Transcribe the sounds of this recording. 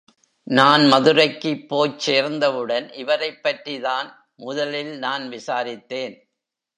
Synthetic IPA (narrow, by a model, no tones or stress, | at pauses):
naːnmɐðɯɾɐɪkːɯpːoːjt͡ʃeːɾnd̪ɐʋɯɽɐnʔɪʋɐɾɐɪpːɐʈriðaːn | mʊðɐlɪlnaːnʋɪsaːɾɪt̪ːeːn